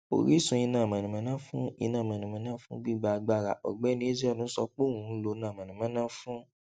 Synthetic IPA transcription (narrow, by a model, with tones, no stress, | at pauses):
o̰˨ɾi˦sũ˧i˧nãː˦˨mã˨nĩ˨mã˨˦nã˦fũ˦ḭ˧nã˦˨ã˨nĩ˨mã˨˦nã˦fũ˦ɡ͡bi˦˨ɡ͡ba˧ɡ͡ba˧˦˨ɾa̰˨ʔɔ̰˨ɡ͡bɛ˨˦nĩ˧˦e˦d͡ʒi˦ɔ˦˨nũ˨˦sɔ˧k͡po˦˨wũ˨˦lo˧˦nãː˦˨mã˨nĩ˨mã˨˦nã˦fũ˦